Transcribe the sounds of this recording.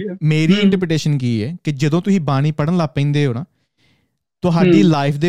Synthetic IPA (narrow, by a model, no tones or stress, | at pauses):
meːɾiːɪ̃ɳʈəɾpɾʈeːʃənk̬iːɛ̰ːkɪd͡ʒəd̪õːt̪ʊsĩːbaːɽ̃iːpəɽənlaːpə̃ĩːnd̪eːɦoːnãː | t̪ʊɦaːɖiːlaːɪpʰd̪eː